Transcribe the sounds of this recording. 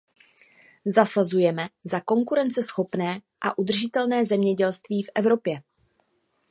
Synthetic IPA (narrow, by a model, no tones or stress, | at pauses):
zasazujɛmɛzako̞ŋkuɾɛnt͡sɛsxo̞pnɛː | ʔa̰ʔud̪r̩ʒɪt̪ɛlnɛːzɛmɲɛɟɛlst̪viːfʔɛvɾo̞pjɛ